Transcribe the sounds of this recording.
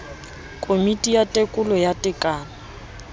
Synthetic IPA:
kʼomitʼijatʼekʼʊlɔjatʼɪkʼaːna

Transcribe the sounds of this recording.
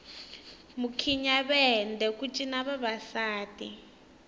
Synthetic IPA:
mukʰiɲaɓɛndʱɛkʼut͡ʃʼinaβaβasaːtʼḭ

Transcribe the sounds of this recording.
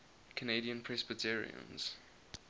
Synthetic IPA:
kʰənediə̃npʰɹ̥ɛsbətʰiɹḭə̰̃nz̥

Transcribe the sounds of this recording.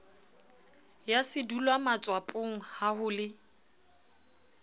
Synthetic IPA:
jasɪdulwamat͡sʼwapʼʊŋ̩hahʊlɪ

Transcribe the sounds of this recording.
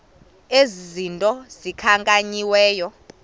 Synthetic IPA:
ezizintʼɔz̥ikʰaŋkʼaɲiwɛːjɔ

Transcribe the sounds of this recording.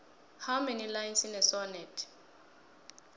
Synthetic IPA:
hamenilajinsinɛsɔnɛtʰ

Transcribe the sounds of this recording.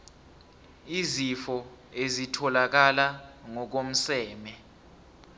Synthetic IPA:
izifɔ | ezitʰɔlak̬alaŋɔk̬om̩sɛːmɛ

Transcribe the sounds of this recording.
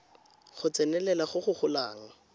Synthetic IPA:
χʊt͡sɛnɛlɛlaχʊχʊχʊlaːŋ̩

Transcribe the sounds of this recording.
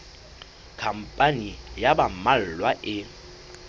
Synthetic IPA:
kʰam̩pʼanijabam̩mal̩lwaʔɪ

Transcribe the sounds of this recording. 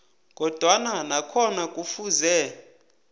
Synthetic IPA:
ɡʱʼɔd̥ʱwananakʰɔnakʼufuzɛ

